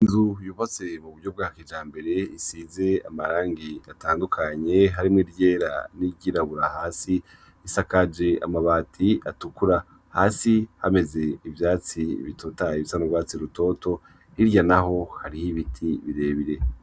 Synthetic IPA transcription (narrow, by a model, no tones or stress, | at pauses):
inzujufat͡se̞muβuɾɟo̞b̚ɡaːkid͡ʒaːmbe̞ɾe̞isiːze̞amaɾaːŋɡiataːndukʰaɲe̞ɦaɾimŋiɾje̞ːɾa̰niɟiɾaβuɾahaːsi | isakad͡ʒe̞a̰maβaːtʰiatukuɾa | haːsihame̞ze̞ivjaːt͡siḭβitʰotaiβisanoɡwaːt͡siɾuto̞tʰo̞ | iɾjanaɦo̞haɾihiβitʰiβiɾe̞βiɾe̞